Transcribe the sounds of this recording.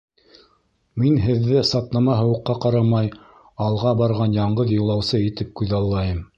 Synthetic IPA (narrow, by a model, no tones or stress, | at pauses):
minɦɘ̆ðːɘsɑt̪nɑmɑɦɤ̆wɤ̆qːɑqɑɾɑmɑj | ɑlˠʁɑbɑɾʁɑnjɑɴɢɤðjŏlˠɑwsɤit̪ɘp̚kʉðɑlˠːɑjɤm